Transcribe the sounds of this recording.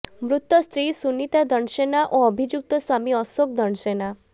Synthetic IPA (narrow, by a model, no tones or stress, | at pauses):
mɾut̪ːɔst̪ɾisunit̪ad̪ɔɳʃenaʔoɔbʱid͡ʒuk̚t̪ɔswamiɔsokd̪ɔɳsena